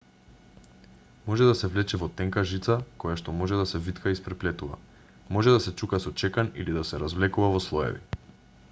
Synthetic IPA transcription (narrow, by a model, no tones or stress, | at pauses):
mɔʒɛd̪asɛvlɛt͡ʃɛvɔt̪ɛŋkaʒit̪sakɔjaʃt̪ɔmɔʒɛd̪asɛvit̪kʰaispɾɛplɛt̪uva̰ | mɔʒɛd̪asɛt͡ʃukasɔt͡ʃɛkanilid̪asɛɾazvlɛkuvavɔslˠɔjɛ̰vḭ